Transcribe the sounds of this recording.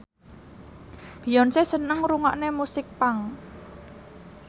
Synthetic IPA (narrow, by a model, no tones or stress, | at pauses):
b̥i̤jɔnsesənəŋɾuŋa̰ʔnemusɪk̚paŋ